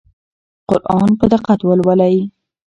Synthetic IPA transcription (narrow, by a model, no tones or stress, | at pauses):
qʊɾʔɑnpəd̪əqat̪wəlwalaji